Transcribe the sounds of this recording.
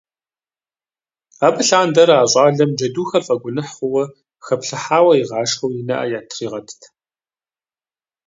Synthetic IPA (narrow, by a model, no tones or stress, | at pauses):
aːbɨɬaːndɐɾaːɕʼɑːɮɐmd͡ʒɐduːxɐfʼɐɡʷʊnɨħχʷʊwɐ | xɐpɬɨħaːwɐjiʁɑːʂxɐwjɪnɐ̰ʔɐ̰jaːtʰriːʁɐdʰtʰ